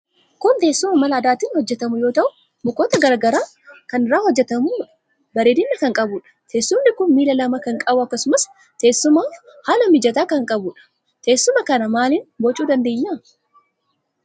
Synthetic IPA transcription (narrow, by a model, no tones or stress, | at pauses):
kʊnt̪e̞ːsːʊmɐmɐlɐːd̪aːt̪iːnhɔd͡ʒːɛt̪ɐmʊjo̞ːt̪ɐʔʊ | mʊkoːt̪ɐɡɐɾɡɐɾaː | kɐnɪrːaːhɔd͡ʒːɛt̪ɐmʊᶑ | bɐɾeːd̪ɪnːɐkɐŋkʼɐbʊᶑɐ̥t̪ʰe̞ːsːʊmnɪkʊnmiːlɐlɐmɐkɐŋkʼɐbʊɐkːɐsʊmɐs | t̪e̞ːsːʊmaːhaːlɐmɪd͡ʒɐt̪aːkɐŋkʼɐbʊᶑɐ̥ | t̪e̞ːsːʊmɐkɐnɐmaːliːnbɔt͡ʃʼuːd̪ɐnd̪e̞ːɲːaː